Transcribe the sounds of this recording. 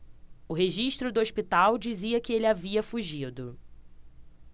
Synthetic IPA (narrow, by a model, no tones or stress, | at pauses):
ʊɦeʒiʃt̪ɾʊd̪ʊoʃpit̪awd͡ʒiziɐkɪelɪaviɐfuʒid̪ʊ